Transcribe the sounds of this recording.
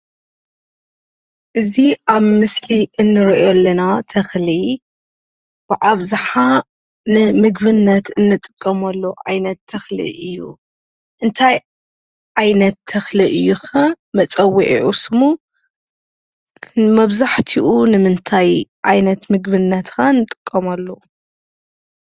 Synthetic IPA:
ʔɨziʔaβmɨsliʔɨnːɨɾɔʔolːɐnat̪ʰɐxli | b̥ɨʕaβzɨħa | nɨmɨɡbɨnːɐt̪ɨnːɨt̪ʼːɨ̥kʼːɐmɐlːoʔa̰jnɐt̪ʰːɐxlɨ̰ʔɨjːṵ | ʔɨnt̪ʰaj | ʕajnɐt̪ʰːɐxlɨʔɨjːuxa | mɐt͡sʼɐwiʕḭʕusɨmu | mɐβzaħt̪ʰiʔunɨmɨnt̪ʰajʕajnɐt̪mɨɡbɨnːɐt̪kʰaɨnːɨt̪ʼɨ̥kʼːɐmɐlːo

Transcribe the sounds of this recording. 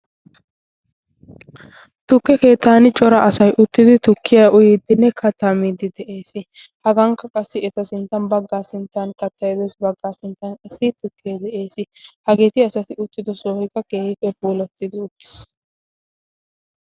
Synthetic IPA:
t̪ʊkːɛke̞ːt̪ːaːnɪt͡ʃʼɔɾɐʔɐsɐjʔʊt̪ːɪd̪ɪt̪ʊkʰːɪjɐʔʊjɪd̪ɪnːɛkʰɐt̪ːɐmid̪ɪd̪ɛʔe̞ːsɪ | hɐɡɐŋkːɐkʼɐsːɪɛt̪ɐsɪnt̪ːɐnbɐɡːaːsɪnt̪ːɐnkɐt̪ːɐjɛd̪ɛsbɐɡːaːsɪnt̪ːɐnkʼɐsːɪt̪ʊkʰːeːd̪ɛʔe̞ːsɪhɐɡe̞ːt̪ɪɐsɐt̪ɪʊt̪ːɪd̪ɔsoːhɪkːɐkeːhɪt̪ɛbuːlɐt̪ːɪd̪ɪʊt̪ːɪ̥s

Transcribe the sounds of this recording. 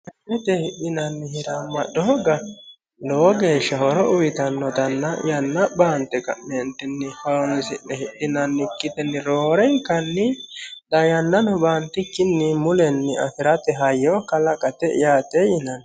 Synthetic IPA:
ʔɐʔːɛt̪ɛhɪɗːɪnɐnːɪhɪɾɐmːɐɗɔɔɡɐ | loːɡeːʃːɐhɔɾɔʊwɪt̪ɐnːɔd̪ɐnːɐ̰jɐnːɐbaːnt̪ɛkɐ̰ɛnt̪ɛnːɪhɐnsɪɗɛhɪɗːɪnɐnːɪkːɪt̪ɛnːɪɾoːɾɛŋkɐnːɪd̪ɐjɐnːɐnɔbaːnt̪ːɪkːɪnːɪmʊlɛnːɪɐ̰fɪɾɐt̪ɛɦɐjːɔkɐlɐkʼɐt̪ɛɪ̰jaːt̪ɛjɪnɐn

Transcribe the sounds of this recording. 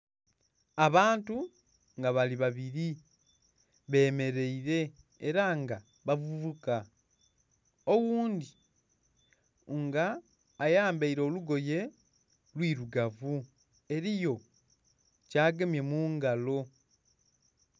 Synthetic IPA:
aβaːntu | ŋɡaβaliβaβiɾi | βe̞ːme̞ɾe̞iɾe̞ | eɾaŋɡa | βavuvuka | owuːndi | ŋɡaː | jaːmbaiɾo̞ːluɡo̞je̞ | lwiːɾuɡavu | e̞ɾijo̞ | caːɡemje̞muːŋɡalo̞

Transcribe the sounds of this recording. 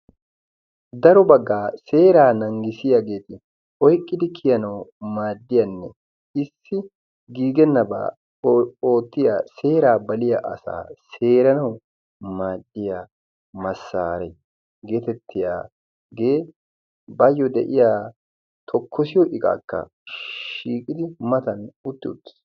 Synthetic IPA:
d̪ɐɾɔbɐɡːaːseːɾaːnɐŋɡɪsɪjɐɡeːt̪ɪ | ʔɔjkʼːɪd̪ɪkʰɪjɐnɐwmaːd̪ːɪjɐnːɛ | ɪsːɪ | ɡiːɡɛnːɐba̰ː | oːt̪ːɪjaseːɾaːbɐlɪjɐʔɐ̰sa̰ːse̞ːɾɐnɐw | maːd̪ːɪja | mɐsːaːɾɛj | ɡe̞ːt̪ɛt̪ʰːɪjaː | ɡe̞ː | bajːɔd̪ɛ̰ʔɪjaː | t̪ʰɔkʰːɔsɪjɔʔɪkʼa̰ːkːɐ̰ | ʃiːkʼɪd̪ɪmɐt̪ɐnʊt̪ːɪʊt̪ːɪ̥s

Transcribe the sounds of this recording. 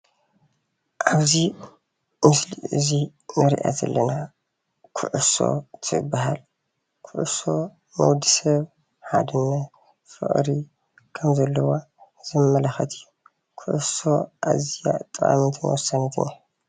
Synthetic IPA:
ʔaβzi | mɨsliʔɨzinɐɾḭʔa̰zɐ̰lːɐna | kʰʊʕɨso̰t̪ʰɨɨbːaɦal | kʰʊʕʊso̞ | mɐwd̪isɐβ | ħad̪ɨnːa | fɨ̰ʔʼɾi | kʰɐmzɐlːɐwo | z̥ɨmːɐlɐxɐt̪ʰɨjːu | kʰʊʕʊso̞ʔazija̰t̪ʼːɨa̰mint̪ʰɨnwɔsːanɐt̪ʰɨna

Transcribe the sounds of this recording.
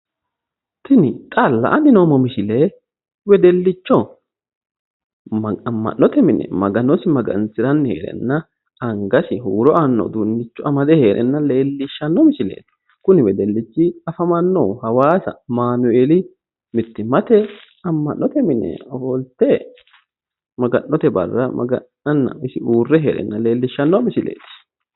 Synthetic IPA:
t̪ɪnɪt̪ʼɐlːɐ̰ʔɐnɪnoːmɔmɪʃɪle | wɛd̪ɛlːɪt͡ʃːɔ | ɐmːɐ̰nːɔt̪ɛmɪnɛ̰mɐɡɐnɔsɪmɐɡɐ̰nsɪɾɐnːhḛːɾɛ̰nːɐ | ɐŋɡɐsɪɦuːɾɔʔɐnːɔ̰d̪unːɪt͡ʃːɔʔɐmɐd̪ɛhe̞ːɾʔɛ̰nːɐle̞ːlːɪʃːɐnːɔmɪʃɪlḛː | kʊnɪbɛd̪ɛlːɪt͡ʃːiɐfɐmɐnːoːhɐwaːsɐ̰maːnʊʔeːli | mɪt̪ːɪmɐt̪ɛ | ɐmːɐnːɔt̪ɛmɪnɛ̰hɔlt̪eː | mɐɡɐnːɔt̪ɛbɐ̰rːɐmɐ̰ɡɐ̰nːɐnːɐ̰ɪsɪuːrːɛɦḛːɾɛ̰nːɐle̞ːlːɪʃːɐnːomɪsɪlḛːt̪ɪ̥

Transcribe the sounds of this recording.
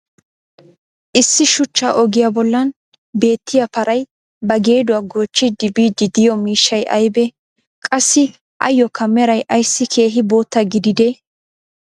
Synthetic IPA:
ʔɪsːɪʃʊt͡ʃːa̰ːʔɔɡɪjabɔlːɐn | be̞ːt̪ːɪjapɐɾʔɐj | bɐɡe̞ːd̪ʊwɐɡo̞ːt͡ʃːɪd̪ɪbiːd̪ɪd̪ɪjɔmiːʃːɐjʔɐ̰jbɛ | kʼɐsːɪ | ʔɐ̰jːɔkʰɐmːɛɾɐjʔɐjsːɪkʰe̞ːɦɪbo̞ːt̪ːɐɡɪd̪ɪd̪e

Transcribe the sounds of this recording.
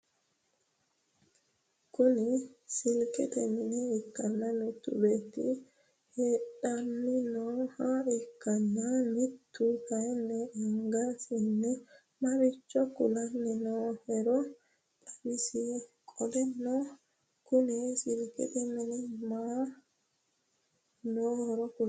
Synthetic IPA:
kʊnɪsɪlkʼɛt̪ɛmɪnɛːkːɐnːɐnʊt̪ːʊ̰beːt̪ːḭ | heːᶑɐnːɪnoːhaɪkːɐnːanɪt̪ːʊkɐjɛnːɛːŋɡasinːɛ | maɾit͡ʃːɔkulanːinɔhɛɾɔ | tabisi | kʼɔdɛnːɔ | kunisilkɛ̰t̪ɛminima | nɔɾɔku

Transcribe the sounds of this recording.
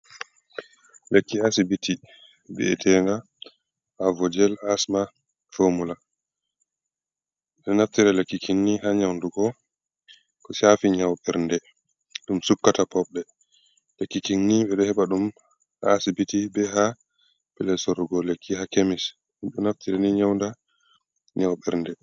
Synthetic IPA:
lekːiasibitʰi | bɛ̰ɛtʰɛna | avɔd͡ʒɛlasma | fomula | ɗɛnaftiɾalekːikʰinːihaɲawnduɡɔ | kɔsaːfiɲawɓɛɾndɛ | ɗumsukːatapɔɓɛ | lekːikinːiɓɛɗɔhɛɓaɗum | a̰sibitibɛɦa | pɛlɛsɔɾuɡɔlekːihakemis | iɗɔnaftiɾaniɲawnda | ɲawɓɛɾndɛ

